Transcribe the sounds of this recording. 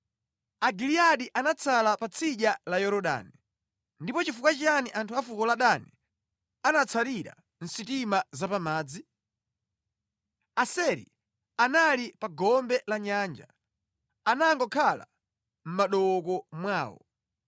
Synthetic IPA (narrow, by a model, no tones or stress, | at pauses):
aɡiliaɗiʔanat͡sʰalapat͡sʰiʄalajɔɾɔɗa̰ni | ndipɔt͡ʃifukwat͡ʃianiʔantʰuafukɔlaɗani | anat͡sʰaɾiɾa̰ | n̩sitimazapamaːd͡zi | asɛɾḭ | analipaɡɔmbɛlaɲaːnd͡ʒa | anaŋɡɔkʰala̰ | m̩maɗɔkɔmwaːwɔ̰